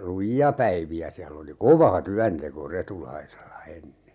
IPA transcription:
lujiɑ pæiʋiæ siælː oli koʋɑ tyænteko retulɑiselːɑ enːe

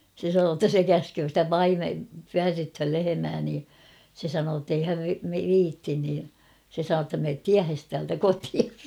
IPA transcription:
se sɑnoː tːæ se kæskøː stæ pɑime pyærːythøl lehemæː niː se sɑnoː tːei hæʋ ʋiːtːin niː se sɑnoː tːɑ meːt tiæhes tæːltæ kotiɑs

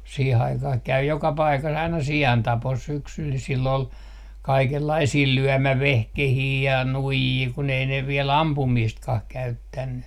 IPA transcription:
siːh ɑikɑh kæy jokɑ pɑikɑs ɑinɑ siɑntɑpos syksyl silː ol kɑikelːɑisiː lyømæʋehkehiː jɑ nuijiː kun ei ne ʋiel ɑmpumiːstkɑh kæytːænːy

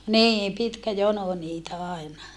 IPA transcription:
niːm pitkæ jono niːtæ ɑˑinɑ

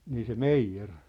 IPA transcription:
niː se meijːer

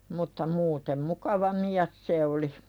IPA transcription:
mutːɑ muːtem mukɑʋɑ miæs se oli

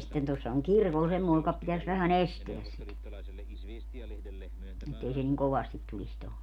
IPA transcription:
sĭtːen tuosːɑ oŋ kirkol semːoˑe jokɑ pitæs ʋæhæn esteæs sit etːei se niŋ koʋɑstit tulis toho

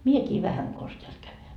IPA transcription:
miekiː ʋæhæŋ kons teælt kæyn

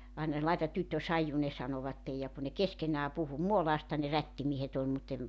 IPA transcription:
ɑinɑ lɑetɑt tytːø sɑiju ne sɑnoʋɑtːej jɑ ku ne keskenˑæː puhu muolɑːstɑ ne rætːimiehet ol mutː em

